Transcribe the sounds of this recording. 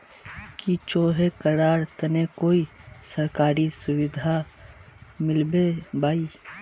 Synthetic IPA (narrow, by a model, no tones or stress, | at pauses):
kit͡ʃoːɦekəɾaːɾt̪ɐnekoːisɐɾkaːɾisʊwɪd̪ʱa | mɪlbebaːiː